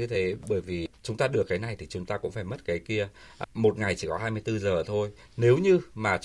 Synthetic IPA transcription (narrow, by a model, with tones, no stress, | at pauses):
ɨ˧t̪ʰe˨˦ɓəː˧˩jvi˨˩t͡ɕʊ˨˦ŋ͡mt̪aː˧ɗɨ˨˩əkːaː˨˦jna˨˩jt̪ʰi˨˩t͡ɕʊ˨˦ŋ͡mt̪aː˧kʊ̰˧˥ŋ͡mfaː˧˩jmə˦˥t̚kaː˨˦jki˧ə | mo˨˩t̚ŋa˨˩jt͡ɕi˧˩kɔ˨˦ɦaː˧jmɨ˧əjt̪ɨ˧zəː˨˩t̪ʰo˧j | ne˨˦wɲɨ˧maː˨˩